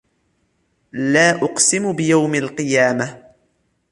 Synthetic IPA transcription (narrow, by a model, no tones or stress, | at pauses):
laːʔʊqsɪmbɪjawmalqɨjaːma